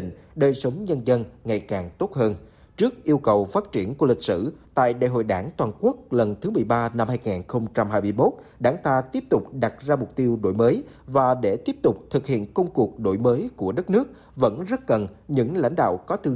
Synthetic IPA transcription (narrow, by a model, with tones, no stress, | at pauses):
ḭ˧˨ŋ̟ | ɗəː˨˩jsə˨˦wŋ͡mɲə˧nzə˧nŋa˨˩jkaː˨˩ŋt̪o˦˥t̚həː˧n | t͡ɕɨ˦˥ək̚ʔi˧əwkə˨˩wfaː˦˥t̚t͡ɕi˧˩ənku˧˩əlï˨˩k̚sɨ̰˧˩t̪a̰ː˧˨jɗa̰ː˧˨jɦo̰˧˨jɗaː˧˩ŋt̪waː˨˩nku˦˥ək̚lə˨˩nt̪ʰɨ˨˦mɨ˨˩əjɓaː˧na˧mhaː˧jŋaː˨˩nxə˧wŋ͡mt͡ɕa˧mhaː˧jmɨ˧əjmo˦˥t̚ | ɗaː˨˧˦ŋt̪aː˧t̪i˦˥əp̚t̪ʊ˨˩k͡p̚ɗa˨˩t̚zaː˧mʊ˨˩k͡p̚t̪i˧əwɗo̰˧˩jməː˨˦jvaː˨˩ɗe˧˩t̪i˦˥əp̚t̪ʊ˨˩k͡p̚t̪ʰɨ˨˩k̚hḭ˧˨ənkə˧wŋ͡mku˨˩ək̚ɗo̰˧˩jməː˨˦jku˧˩əɗə˦˥t̚nɨ˦˥ək̚ | və̰˧˥nzə˦˥t̚kə˨˩nɲɨ̰˧˥ŋla̰˧˥jŋ̟ɗa̰ː˧˨wkɔ˨˦t̪ɨ˧